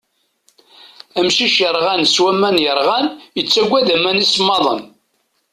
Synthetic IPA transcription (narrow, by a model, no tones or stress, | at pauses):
æmʃiʃəɾˤʁænswæmːænjəɾˤʁænjət͡sːæɡʷːæðæmænisəmːɑðˤən